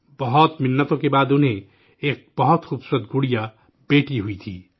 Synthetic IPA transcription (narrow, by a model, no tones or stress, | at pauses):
bɔɦɔt̪mɪnːət̪õkebaːd̪ʊnɦẽ | eːk̚b̥ɐɦɔt̪xuːbsʊɾət̪̚ɡuɽija | beːʈiɦuit̪ʰḭː